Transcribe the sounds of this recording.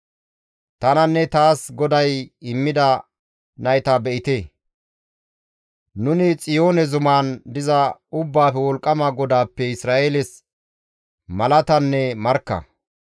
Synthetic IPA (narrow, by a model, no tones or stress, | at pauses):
t̪ɐnɐnːɛt̪aːsɡɔd̪ɐjɪmːɪd̪ɐ | nɐjɪt̪abɛʔɪt̪eː | nʊnɪt͡sʼɪjo̞ːnɛzʊmaːnd̪ɪzɐʊbːaːfɛwɔlkʼːɐmɐɡɔd̪aːpːɛɪsɾaːʔelɛs | mɐlɐt̪ɐnːɛmɐɾkːɐ̰